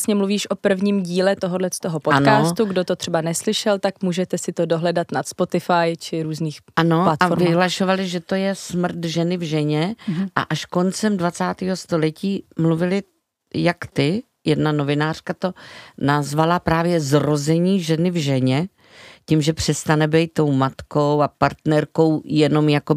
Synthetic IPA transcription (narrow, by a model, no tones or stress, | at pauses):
sɲɛmluviːʃʔo̞pr̩vɲiːmɟiːlɛt̪oɦodlɛt̪oɦopot̪nkaːst̪uɡdot̪ot̪r̥ɛbanɛslɪʃɛlt̪akmuːʒɛt̪ɛsɪt̪odoɦlɛdat̪nat̪spo̞t̪ɪfajt͡ʃɪɾuːzniːxano̞lat̪ʔafoɾvɪɦlaʃo̞valɪʒɛt̪o̞jɛsmr̩t̪ʒɛnɪvʒɛɲɛʔa̰ʔaʃkont͡sɛmdvat͡saːt̪iːɦo̞st̪o̞lɛciːmluvɪlɪ | jakt̪ɪ | jɛdnano̞vɪnaːr̥kat̪o̞nazvalapɾaːvjɛzɾo̞zɛɲiːʒɛnɪvʒɛɲɛ | cimʒɛpr̝̥ɛst̪anɛbɛjt̪̚ːo̞wmat̪ko̞wapaɾt̪nɛɾko̞wjɛno̞mjako